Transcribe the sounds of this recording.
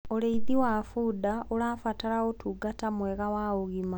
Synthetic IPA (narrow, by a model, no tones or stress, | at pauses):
oleiðiwafuːdaʔolaːfatalaɣotuɡatamweɣawauɣima